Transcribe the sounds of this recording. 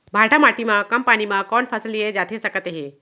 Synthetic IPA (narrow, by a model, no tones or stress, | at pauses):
bʱaʈʰamaʈimakəmpaɽ̃imakɔɳfʰəsəlijed͡ʑat̪ʰesəkət̪eɦe